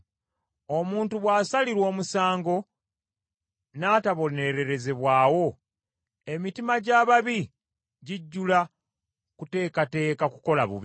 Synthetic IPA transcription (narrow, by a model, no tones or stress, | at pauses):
o̞muːntuβwaːsaliɾwo̞ːmusaːŋɡo̞ | naːtaβo̞ne̞ɾe̞ɾe̞ze̞βwaːwo̞ | e̞mitimaɟaːβaβi | ɟiɟːula | kute̞ːkate̞ːkaku̥ko̞laβṵβi